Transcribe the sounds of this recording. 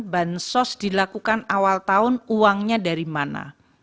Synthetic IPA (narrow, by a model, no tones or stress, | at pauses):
bansɔsd̥ilakukanawalt̪aʊnuwaŋɲadaɾimana̰